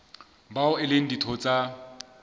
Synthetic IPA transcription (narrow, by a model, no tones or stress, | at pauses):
baʊɪleŋ̩ditʰɔt͡sʼa